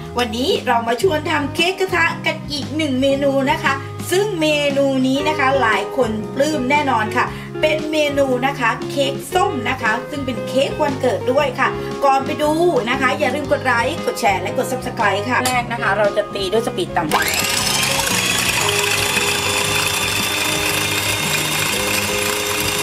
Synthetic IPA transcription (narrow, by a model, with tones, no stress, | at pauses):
wa˧nːiː˦˥ɾa˧wmaː˧t͡ɕʰu˥˧ənt̪ʰa˧mkʰeː˦˥kːa˧˥t̪ʰaː˧ŋka˨˩nʔiː˨˩k̚nɯ˨˩ŋmeː˧nuː˧na˦˥kʰa˦˥ | sɯ˥˩ŋmeː˧nuː˧niː˦˥na˦˥kʰa˦˥laː˩˦jkʰo˧nplɯː˥˩mnɛː˥˩nɔː˧nkʰa˥˩ | pe˧nmeː˧nuː˧na˦˥kʰa˦˥kʰeː˦˥k̚so˥˩mna˦˥kʰa˦˥sɯ˥˩ŋpe˧nkʰeː˦˥k̚wa˧nkɤː˨˩t̪̚du˥˩əjkʰa˥˩ | kɔː˨˩npa˧jduː˧na˦˥kʰa˦˥jaː˨˩ɾɯː˥˩mko˨˩t̪̚ɾa˨˦˥jko˨˩t̪̚t͡ɕʰɛː˨˧˩lɛ˦˥ko˨˩t̪̚sa˦˥p̚sa˧kʰla˨˦jkʰa˥˩ɾɛː˥˩k̚na˦˥kʰa˦˥ɾa˧wt͡ɕa˨˩t̪iː˧du˥˩ə˨jsa˧pi˨˩t̪ːa˧mba̰˨˩